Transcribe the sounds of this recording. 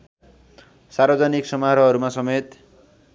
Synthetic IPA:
sarbʌd͡zʌniksʌmaɾʌɦʌɾumasʌmet̪

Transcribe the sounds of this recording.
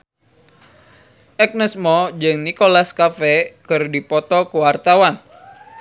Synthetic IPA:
ʔɛk̚nɛsmɔd͡ʒɨŋnikolaskafɛkɨrdipɔt̪ɔkuwart̪awan

